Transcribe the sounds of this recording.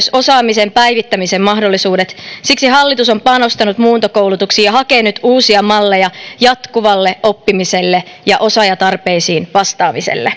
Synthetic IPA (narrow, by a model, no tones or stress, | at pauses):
so̞sɑːmisempæjʋit̪ːæmisemmɑɦdolːisuːdet̪siksiɦɑlːit̪usompɑno̞st̪ɑnut̪muːnt̪okouwlut̪uksijjɑɦɑkeːnyt̪uːsiɑmɑlːejɑjɑt̪kuʋɑlːeʔo̞pːimise̞lːe | jɑʔo̞sɑjɑt̪ɑrpeisiːnʋɑst̪ɑːmisḛlːḛ